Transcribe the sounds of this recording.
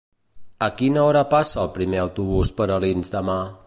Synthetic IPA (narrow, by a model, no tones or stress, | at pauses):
əkinəɔɾəpasəːlˠpɾimeəwt̪uβ̞uspəɾəlinzd̪əma